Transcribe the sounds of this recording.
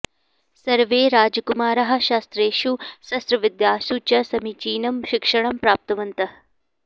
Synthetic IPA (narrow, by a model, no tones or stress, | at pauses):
sɐɾʋeːɾaːd͡ʒɐkumaːɾɐɦɐ̆ʃaːst̪ɾeːʃusɐst̪ɾɐʋid̪jaːʃut͡ʃɐsɐmit͡ʃiːnɐmʃikʂɐɳɐmpɾaːp̚t̪ɐʋɐnt̪ɐ